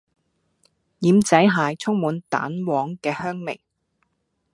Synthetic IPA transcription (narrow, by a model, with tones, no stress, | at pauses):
jiː˨˥mt͡sɐ˨˥jɦaː˨˧t͡sʰʊ˥ŋmuː˨˥nt̪a̰ː˨˥nwɔː˨˧˥ŋkɛː˧hœː˥ŋmḛ˨˩j